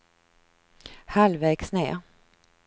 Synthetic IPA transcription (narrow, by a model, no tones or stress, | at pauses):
halvɛːksnḛːɾ